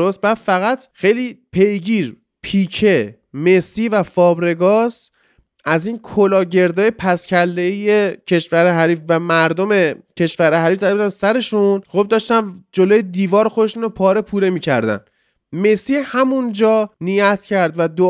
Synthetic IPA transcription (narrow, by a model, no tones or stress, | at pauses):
ost̪̚bæd̪fæɣæt̪xe̞jliːpʰe̞jɡiːɾ | pʰiːcʰe̞ | me̞siːvæfɒːbɾe̞ɡɒːs | ʔæziːnkʰolɒːɟe̞ɾd̪ɒːjepʰæscʰælːeijecʰe̞ʃvæɾeɦæɾiːfvæmæɾd̪o̞me̞cʰe̞ʃvæɾehæɾiːfd̪ælzænsæɾe̞ʃunɣob̚d̪ɒːʃt̪ænd͡ʒo̞lojed̪iːvɒːɾxod̪eʃunopʰɒːɾe̞pʰuːɾe̞miːcʰæ̰ɾd̪æ̰n | me̞sihæmund͡ʒɒːnijæt̪ʰcʰæɾd̪væd̪o